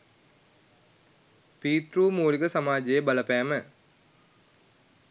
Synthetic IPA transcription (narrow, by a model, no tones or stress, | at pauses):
piːt̪ɾuːmuːliɡəsamaːd͡ʒejebaləpæːmə